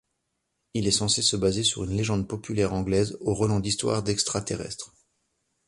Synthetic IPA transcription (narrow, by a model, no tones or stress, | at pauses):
ilɛsɑ̃sesəbazesyʁynleʒɑ̃d̪pɔpʰylɛʁɑ̃ɡlɛzoʁɔlɑ̃d̪ist̪wa̰ʁd̪ɛkst̪χat̪eʁɛ̰st̪χ